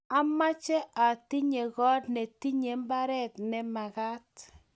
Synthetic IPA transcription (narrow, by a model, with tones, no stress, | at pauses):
a˦ma˦t͡ʃɛ˦ʔa˨ti˦ɲe˨ɣɔ˦tnɛ˨ti˦ɲe˨˦mba˦ɾɛ˦tnɛ˨ma˨ka˦t